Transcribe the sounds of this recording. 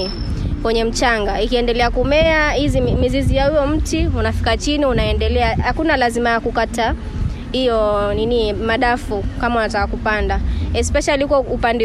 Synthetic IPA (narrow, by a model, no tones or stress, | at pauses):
kwɛɲɛm̩t͡ʃaŋɡaikiɛndɛlɛakumɛahizimizizijahijɔm̩tiunafi̥kat͡ʃiniunaɛndɛlɛahakunalazimajakukata | hijɔninimaɗafukamaunatakakupandaɛspɛʃaliukɔupandɛ